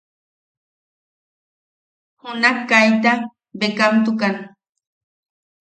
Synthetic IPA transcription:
hunahkːajt̪a | bekamt̪̬ukan

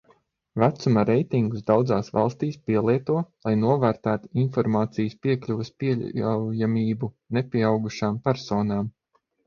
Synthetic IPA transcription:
væt̪sumaɾejt̪iŋɡusd̪awd̪zaːsvɑ̰lˠst̪iːspiɛlˠiɛt̪uɔlˠajnuɔvæːɾt̪æːt̪u̥infɔɾmaːt̪sijəspiɛklʲuʋɛspiɛwjamʲiːbu | nepʲiɛawɡuʃaːmpæɾsɔːnaːm

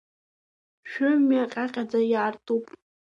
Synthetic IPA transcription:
ʃᶣʊmaqʲʼaqʲʼad͡zajaːrtʼupʼ

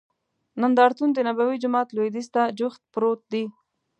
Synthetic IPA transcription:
nand̪ɑɾt̪und̪ənabawid͡ʒʊmɑt̪lod̪ist̪ad͡ʒʊxt̪̚pɾot̪̚d̪i

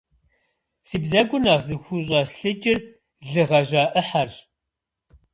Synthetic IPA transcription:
siːbzɐɡʷʊnaːʁzɨxʷʊɕ̬ʼɑsɬɨt͡ʃʼɪr | ɮɨʁɐʑaːʔəħar

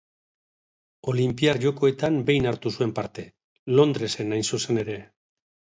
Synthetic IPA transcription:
o̞limpiaɾʝo̞ko̞e̞t̪ambe̞jnaɾt̪usue̞mpaɾt̪e̞ | lo̞nd̪ɾe̞se̞najnsuse̞ne̞ɾe̞

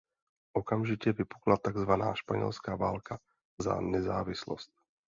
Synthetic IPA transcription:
ʔɔkamʒicɛvɪpuklat̪aɡzvana̰ːʃpaɲɛ̰lskaːvaːlkʰa | za̰nɛzaːvɪslɔ̰st̪̚

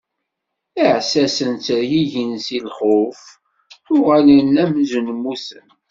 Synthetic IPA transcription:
iʕsæsənt͡sɾjiʝənsilχʊf | θʊʁælənæmzənmːusə̰n

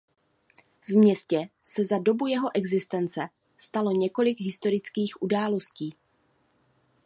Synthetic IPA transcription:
vmɲɛscɛsɛzado̞bujɛɦo̞ʔɛɡzɪst̪ɛnt͡sɛ | st̪alo̞ɲɛko̞lɪɡɦɪst̪o̞ɾɪt͡skiːxʔudaːlo̞sciː

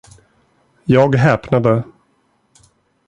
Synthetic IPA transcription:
jɑːɡɦɛːpnad̪ə

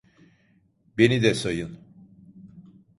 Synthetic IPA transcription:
be̞nid̪ɛsajɯn

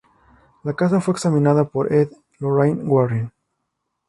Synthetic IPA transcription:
lakas̬afweeksamĩnaðapoɾʔeð | loɾajnɡwaɾan

